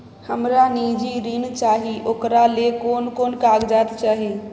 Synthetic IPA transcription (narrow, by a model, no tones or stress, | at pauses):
həmɾaniːd͡ʒiɾint͡ʃaːɦiʔoːkɾalekoːnkoːnkaːɡd͡ʒaːt̪t͡ʃaːɦi